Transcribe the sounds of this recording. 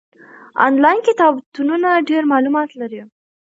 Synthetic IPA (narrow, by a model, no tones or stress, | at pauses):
ɑ̰nlɑjnkɪt̪ɑbt̪ununaɖeɾmɑlumɑt̪laɾi